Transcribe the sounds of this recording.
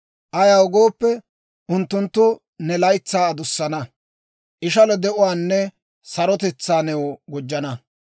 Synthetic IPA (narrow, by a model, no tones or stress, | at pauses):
ʔɐjaʊɡo̞ːpːɛ | ʔʊnt̪ːʊnt̪ːʊ | nɛlɐjt͡sːaːd̪ʊsːɐnɐ | ʔɪʃɐlɔd̪ɛʔʊwaːnːɛ | sɐɾɔt̪ɛt͡sːaːnɛwɔɡɔd͡ʒːɐnɐ